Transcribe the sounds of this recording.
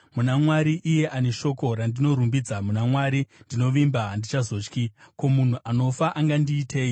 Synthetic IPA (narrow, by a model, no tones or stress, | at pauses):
munamwaɾiʔije̞ʔane̞ʃo̞ko̞ɾandino̞ɾumbid͡zamunamwaɾindino̞ʋimbaːndit͡ʃazo̞ːt͡ʃkiko̞mun̤uʔano̞faʔaŋɡandiːtʰe̞ːi